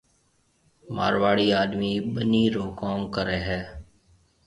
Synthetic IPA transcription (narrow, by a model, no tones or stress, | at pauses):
ma̰ːɾʋaːɽiːaːɗ̪miːɓəniːɾoːkoːŋkəɾɛːɦɛː